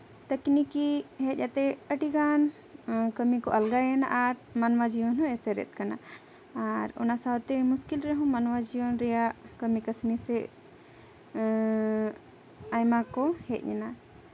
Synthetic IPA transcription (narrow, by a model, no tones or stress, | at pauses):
t̪əknikiɦɛt̪̚jat̪ɛəʈiɡan | kəmikɔʔəlɡajɛna̰ʔaɾmanwad͡ʒijɔnɦɔ̃ɛsɛɾɛ̰t̪̚ˀkana̰ | aɾɔ̰nasawt̪ɛmuskilɾɛɦɔ̃manwad͡ʒijɔnɾɛjaʔkəmikəsnisɛ | ajmakɔhɛt̪̚ˀjɛ̰na